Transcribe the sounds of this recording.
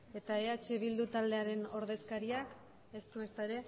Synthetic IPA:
e̞t̪ae̞at͡ʃe̞β̞ild̪ut̪ald̪e̞aɾe̞no̞ɾðe̞skaɾiak | e̞st̪ue̞st̪aeɾe̞

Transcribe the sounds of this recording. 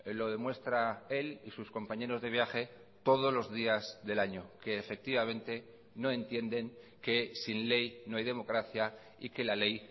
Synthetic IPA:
lo̞ðe̞mwe̞st̪ɾae̞lisusko̞mpaɲe̞ɾo̞zðe̞β̞jaxe̞ | t̪o̞ð̞ozlo̞zðiazðe̞laɲo̞ke̞ːfe̞k̚t̪iβ̞amẽ̞nt̪e̞ | no̞e̞nt̪je̞nd̪e̞ŋke̞sinle̞jnoajðe̞mo̞kɾaθja | ike̞lale̞j

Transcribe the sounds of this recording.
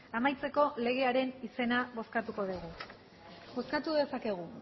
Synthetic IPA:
amajt͡se̞ko̞le̞ɣ̞e̞aɾe̞nise̞naβo̞skat̪uko̞ðuɣ̞u | bo̞skat̪uðe̞sake̞ɣ̞u

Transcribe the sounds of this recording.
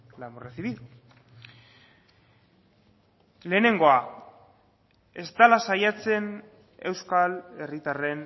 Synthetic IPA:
lambureθiβiðu | le̞ːne̞ŋɡo̞a | e̞zd̪alasajat͡se̞n | e̞wskale̞rit̪are̞n

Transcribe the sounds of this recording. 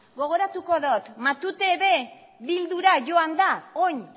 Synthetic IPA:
ɡo̞ɣ̞o̞ɾat̪uko̞ðot̪mat̪ut̪eβe̞ | βild̪uɾaʝo̞and̪aoɲ

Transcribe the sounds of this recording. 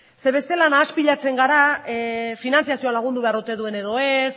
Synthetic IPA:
se̞βe̞st̪e̞lanaːspiʎat͡se̞ŋɡaɾa | finant͡sijasio̞alaɣ̞und̪uβe̞aɾut̪e̞ðue̞ne̞ðo̞e̞s

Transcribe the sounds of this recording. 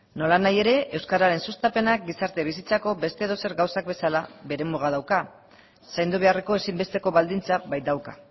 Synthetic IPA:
no̞lanaje̞ɾe̞ʔewskaɾaɾe̞nsust̪ape̞nak̚ɡisaɾt̪e̞β̞isit͡sako̞be̞st̪e̞ːðo̞se̞ɾɡawsak̚be̞salaβe̞ɾe̞muɣ̞að̞awka | sajnd̪uβ̞e̞are̞ko̞e̞simbe̞st̪e̞ko̞βald̪int͡saβajt̪d̪awka

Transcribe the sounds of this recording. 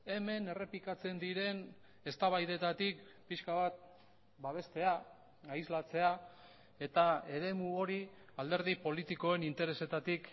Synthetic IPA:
e̞me̞ne̞re̞pikat͡se̞nd̪iɾe̞n | e̞st̪aβajðe̞t̪at̪ik̚piʃkaβat̪̚ | baβ̞e̞st̪e̞a | aizlat͡se̞a | e̞t̪ae̞ɾe̞muo̞ɾi | ald̪e̞ɾð̞ipo̞lit̪iko̞e̞nint̪e̞ɾe̞se̞t̪at̪ik

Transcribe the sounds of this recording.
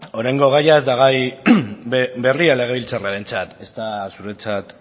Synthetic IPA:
o̞ɾajŋɡo̞ɣ̞ajae̞zd̪aɣ̞aj | be̞riale̞ɣ̞e̞βilt͡saraɾe̞nt͡sat̪e̞st̪asuɾe̞t͡sat̪

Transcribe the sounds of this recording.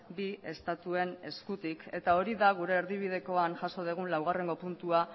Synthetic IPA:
bie̞̰st̪at̪ue̞ne̞skut̪ike̞t̪ao̞ɾiðaɣ̞uɾe̞ːɾðiβ̞iðe̞ko̞anʝaso̞ð̞eɣ̞unlawɣ̞are̞ŋɡo̞punt̪ua

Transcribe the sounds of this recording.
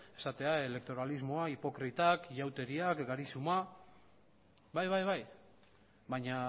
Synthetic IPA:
e̞sat̪e̞ae̞le̞k̚t̪o̞ɾalizmoaipo̞kɾit̪akʝawt̪e̞ɾiakɡaɾisuma | bajβajβaj | βaɲa

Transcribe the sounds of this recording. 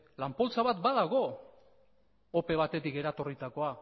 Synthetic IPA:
lampo̞lt͡saβat̪baðaɣ̞o̞ | ope̞β̞at̪e̞t̪ike̞ɾat̪o̞rit̪ako̞a

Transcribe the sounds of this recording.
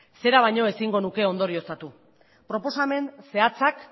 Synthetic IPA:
se̞ɾaβajɲo̞e̞siŋɡo̞nuke̞o̞nd̪o̞ɾio̞sat̪u | pɾo̞po̞same̞nse̞at͡sak

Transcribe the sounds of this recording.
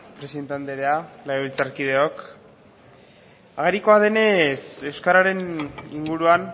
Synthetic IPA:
pɾesient̪and̪eɾealailt͡saɾkiðe̞o̞k | aɣ̞eɾiko̞aðe̞ne̞se̞wskaɾaɾe̞niŋɡuɾuan

